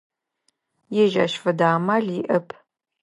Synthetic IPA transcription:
jɛʒa̰ːʃfɐdaːmaːɮiːʔɐpʰ

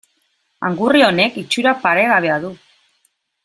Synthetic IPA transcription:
a̰ŋɡurio̞ne̞kit͡ʃuɾapaɾe̞ɣaβ̞e̞aðu

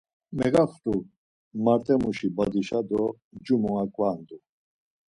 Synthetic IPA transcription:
mɛɡaχt̪ʼu | maɾt̪ʼɛmuʃibad̪iʃad̪ɔ | d͡ʒumɔŋakʼvaːnd̪u

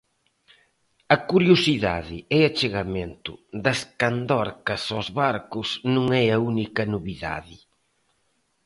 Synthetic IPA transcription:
ɐkuɾjosiða̰ðɪɛɐt͡ʃeɣɐment̪ʊ̰ðɐskand̪ɔɾkɐsozβaɾkʊsnũŋɛɐunikɐnoβiða̰ðɪ

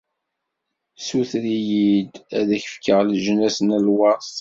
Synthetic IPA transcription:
suθɾijid̪æðæçə̥fkəʁlʒənæsənælwɑs

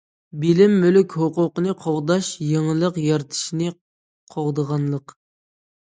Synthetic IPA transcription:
bɪlɪmːylykʲhoqʊqənɨqʰoʁd̪ɑʃjeŋəlˠəqjɑɾt̪ʰɨ̥ʃinɨ | qʰoʁd̪əʁɑnlˠəq

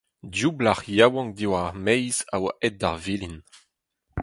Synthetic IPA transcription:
djublaʁjawɑ̃ŋdiwaʁmɛjzawaʔɛdaʁvilin

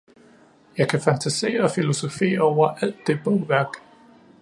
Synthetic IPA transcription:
jɑ̈ɪkʰæfænt͡sʰæse̝̰ːɐɒ̽filo̝so̝fe̝̰ːɐɒʊ̰ɐʔæl̰d̥ːe̝b̥ɔ̽ʊʋæɐɡ̥

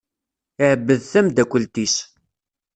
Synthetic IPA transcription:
ɪʕəbːəðθæmd̪ækʷːəlt̪is

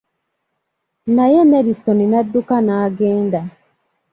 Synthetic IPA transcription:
najɛmɛɾisɔninadːukanaːɡɛːnda

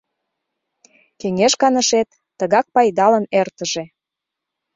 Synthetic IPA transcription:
keŋeʃkɑnəʃet̪ːəɣɑk̚pɑjd̪ɑlə̆nert̪əʒĕ

